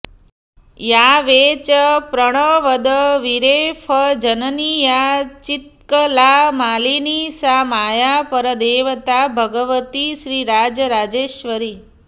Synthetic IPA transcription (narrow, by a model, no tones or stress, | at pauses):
jaʋet͡ʃəpɾəɽ̃əʋəd̪əʋiɾefʰəd͡ʒənənijat͡ʃit̪̚kəlamaːlinisamaːjapəɾəd̪eːʋət̪abʱəɡəʋət̪iʃɾiːɾad͡ʒəɾad͡ʒeːʃʋəɾi